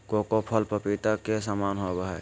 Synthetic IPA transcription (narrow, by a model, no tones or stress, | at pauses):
kokopʰəlpəpit̪akesəmaːnɦoɡəɦɛ